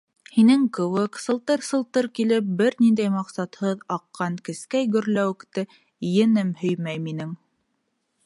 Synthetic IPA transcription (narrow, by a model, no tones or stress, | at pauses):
hinɘŋkɵ̆wɘksɤ̆lˠt̪ɤɾsɤ̆lˠt̪ɤɾkilɘp̚bɘɾnind̪æjmɑqsɑt̪hɤðɑqːɑŋkɘ̆skæjɡɵ̆ɾlæwɘ̆kt̪ɘ | jɘ̆nɘmhɵ̆jmæjminɘŋ